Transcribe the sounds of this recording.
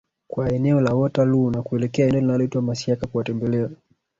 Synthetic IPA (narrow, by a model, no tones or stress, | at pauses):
kwaɛnɛɔlawɔtalunakuɛlɛkɛaɛnɛɔlinalɔitwamasiakakuwatɛmbɛlɛa